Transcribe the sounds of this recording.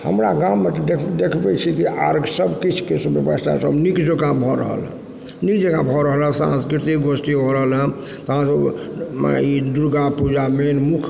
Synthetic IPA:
həmɾaɡamːet̪d̪ekʰd̪ekʰbɛt͡ʃʰikiaɾɡʱsəbkit͡ʃʰkesbjebəst̪ʰa̰səbnikd͡ʒəɡãbʱɔɾə̰ɦə̰lə̰̃ | nikd͡ʒəɡãbʱɔɾəɦələ̃sã̰skɾit̪ikɡosʈibʱɔɾəɦəlɦə̃ | t̪ɔɦãsəbm̰id̪uɾɡapud͡ʒamenmukʰ

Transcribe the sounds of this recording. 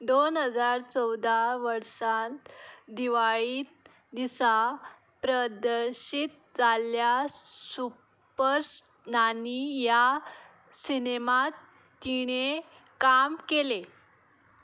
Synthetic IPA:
d̪onɦəd͡zaɾt͡sɔwd̪ʱaʋəɾsãnd̪iʋaɭiː | d̪isa | pɾəd̪əɾɕit̪̚ | d͡zaljasu | pəɾs | nanija | sinemat̪ː | iɽ̃e | kamkele

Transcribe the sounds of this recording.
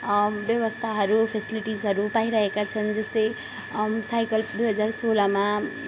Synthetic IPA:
bjʌwʌst̪ʰaɦʌɾupʰesiliʈizɦʌɾupaiɾʌɦekat͡sʰʌnd͡zʌst̪ʌj | sajkʌld̪ujɦʌd͡zarsolama

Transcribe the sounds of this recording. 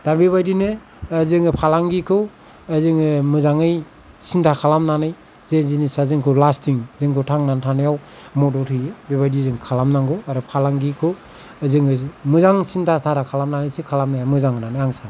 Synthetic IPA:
daɾbiβajdinɯː | zɯŋɯpʰalaŋɡikʰɯw | ɯzɯŋɯmɯzaŋɯj | sintʰakʰalamnanɯj | zezinisazɯŋkʰɯwlastʰiŋzɯŋkʰɯwtʰaŋnantʰanajaw | mɔdɔtʰɯjebiβajdizɯŋkʰalamnaŋɡɯaɾɔpʰalaŋɡikʰɯw | ɯzɯŋɯmɯzaŋsintʰatʰatʰakʰalamnanɯjsikʰalamnajamɯzaŋnanɯjaŋsana

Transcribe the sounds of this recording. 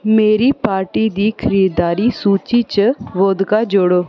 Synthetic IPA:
meːɾiːpaːɾʈiːd̪iːkʰəɾiːd̪d̪aːɾiːsuːt͡ʃiːt͡ʃəʋoːd̪kaːd͡ʒoɽoː

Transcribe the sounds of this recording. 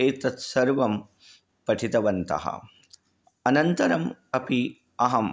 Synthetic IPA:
eːt̪ɐt̪sɐɾʋɐm | pɐʈʰit̪ɐʋɐnt̪ɐ̰ɦɐ̰ | ɐnɐnt̪ɐɾɐmɐpi | ɐɦɐm

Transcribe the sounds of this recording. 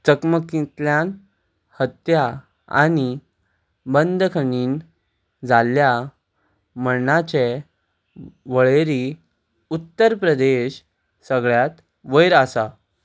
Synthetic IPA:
t͡səkməkĩt̪ljan | hət̪ja | a̰ni | bənd̪kʰəɳiːn | d͡zalja | mənat͡ɕe | ʋəɭeɾi | ut̪ːəɾpɾəd̪eɕ | səɡɭjat̪ | ʋəjɾəsa

